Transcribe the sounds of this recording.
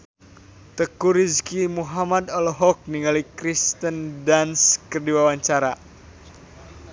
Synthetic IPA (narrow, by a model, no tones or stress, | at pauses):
t̪əkuɾiskimuɦamad̪ɔlɔɦɔk̚niŋalikɾist̪əndanskərdiwawaɲt͡ʃaɾa